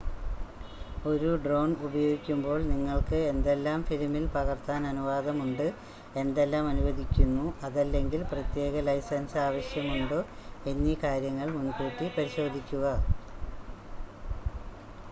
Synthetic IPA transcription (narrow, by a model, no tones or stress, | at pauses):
o̞ɾuɖro̞ːnubɐjo̞ːɡikʲːumbo̞ːɭniŋːɐɭkɨe̞nd̪e̞lːaːmfilmilpɐɣɐrt̪aːnɐnuʋaːðɐmuɳɖɨ | e̞nd̪e̞lːaːmɐnuʋɐd̪ʱikʲːunːuɐðɐlːe̞ŋɡilprɐt̪je̞ːɣɐlɐjsɐnsaːʋɐɕjɐmuɳɖɨenːikaːɾjɐŋːɐɭmunkeʈːipɐɾiɕo̞ːd̪ʱikʲːuɣɐ